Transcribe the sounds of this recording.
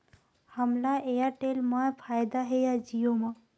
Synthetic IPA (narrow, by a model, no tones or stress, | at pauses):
həmlaʔejaʈelmajpʰajd̪aɦejad͡ʒijoma